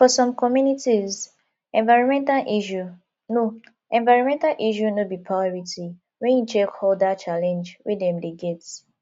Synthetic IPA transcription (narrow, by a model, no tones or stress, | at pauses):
fɔsɔ̃mkɔmjunitiz | ɛ̃nvaɪɹɔ̃nmɛ̃ntalʔiʃu | no | ɛ̃nvaɪɹɔ̃mɛ̃ntalʔiʃunobipʰɹaɔɹiti | wɛ̃njut͡ʃɛkhɔldat͡ʃalɛ̃nd͡ʒwedɛ̃mdeɡɛt